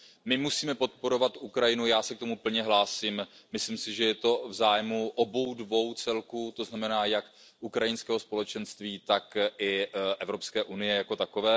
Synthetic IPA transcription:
mɪmusiːmɛpo̞t̪̚po̞ɾo̞vat̪ʔukɾajɪnujaːsɛk̚t̪o̞mupl̩ɲɛɦlaːsimmɪslɪmsɪʒɛjɛt̪o̞vzaːjmuʔobo̞wdvo̞wt͡sɛlkuːt̪o̞znamɛnaːjak | ʔukɾajɪnskɛːɦo̞spo̞lɛt͡ʃɛnst̪viːt̪akʔɪʔɛvɾo̞pskɛːʔunɪjɛjakot̪ako̞vɛː

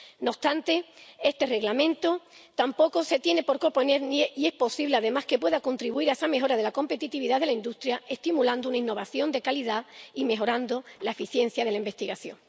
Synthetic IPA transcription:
no̞st̪ant̪e̞e̞st̪e̞re̞ɣlamẽ̞nt̪ot̪ampo̞ko̞se̞t̪je̞ne̞po̞ɾkopo̞ne̞ɾnieie̞hpo̞siβle̞aðe̞mahke̞pwe̞ðako̞nt̪ɾiβuiɾae̞same̞ɦo̞ɾað̞e̞lako̞mpe̞t̪it̪iβiðaðelaind̪ust̪ɾjae̞st̪imuland̪ounainːo̞βaθjo̞nd̪e̞kaliðaime̞ɦo̞ɾand̪olaefiθje̞n̟θjað̞e̞laimbe̞st̪iɣaθjo̞̰ŋ

